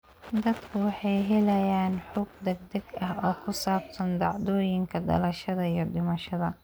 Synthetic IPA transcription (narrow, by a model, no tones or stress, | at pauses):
d̪ɐd̪kʰʊwɑħɑjɦɛlɐjaːnħʊɡ̚d̪ɛɡ̚d̪ɐɡɐɦɔːkʰʊsaːbsɐnd̪ɑʕd̪ɔːjɪŋkʰɐd̪ɐ̰lɐʃɐðɐijɞɖɪmɐʃɐðɐ